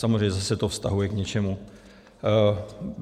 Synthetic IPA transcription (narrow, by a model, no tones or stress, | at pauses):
samo̞zrejɲɛzasɛt̪ofst̪aɦujɛkɲɛt͡ʃɛmu